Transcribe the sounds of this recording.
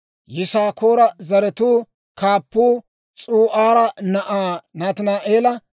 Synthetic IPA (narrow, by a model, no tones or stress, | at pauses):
jɪsaːkoːɾɐzɐɾɛt̪uː | kaːpːuː | t͡sʼuːʔaːɾɐnɐʔaːnaːt̪ɪnaːʔeːlɐ